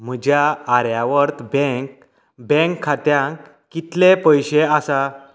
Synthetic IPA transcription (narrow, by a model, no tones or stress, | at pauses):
m̤əd͡ʑjaːɾjaʋəɾt̪bɛ̃k | bɛ̃ŋkʰːat̪jãŋk | kːit̪lepəjɕeasa